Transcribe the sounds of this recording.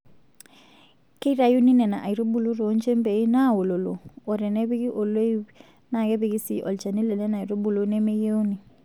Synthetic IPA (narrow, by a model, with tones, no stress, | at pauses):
ke˦i˦ɾa˨ju˦ni˦nɛ˨na˨ʔa˨i˨ɾo˦bu˨lo˦ɾo˨˦nt͡ʃe˦mbe˨˦na˦˨wo˨lo˨lo˨ɔ˨ɾɛ˨nɛ˦bi˦ɡi˦ʔo˨lo˦j | na˨kɛ˦bi˦ɡi˦sḭ˨ʔɔ̰˨lt͡ʃa˨ni˦lɛ˨lɛ˦na˨i˨ɾo˦bu˨lo˦nɛ˦me˦ɡe˦u˦ni˨